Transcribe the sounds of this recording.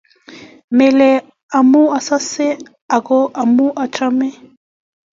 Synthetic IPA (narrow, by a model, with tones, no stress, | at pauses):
mɛ˨lɛ˨ | a˨mu˦a˨sa˦sɛ˦ | a˨kɔ˦ʔa˨mu˦ʔa˨tʰa˦mɛ˦